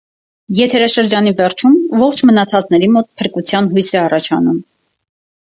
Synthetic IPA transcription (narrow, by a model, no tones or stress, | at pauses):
jɛt̪ʰɛɾɑʃəɾd͡ʒɑnivɛɾt͡ʃʰumvɔχt͡ʃʰmənɑt͡sʰɑt͡snɛɾimɔt̪̚pʰəɾkut͡sʰjɑnɦujsɛɑrɑt͡ʃʰɑ̰num